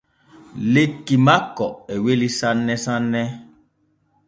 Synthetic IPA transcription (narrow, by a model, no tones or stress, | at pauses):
lekimakɔewelisãnːɛsãnːɛ